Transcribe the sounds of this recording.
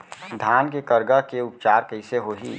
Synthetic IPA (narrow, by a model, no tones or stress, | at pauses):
d̪ʱaːnkekəɾɡəkeʊpt͡ʃaːɾkəɪseɦoɦḭː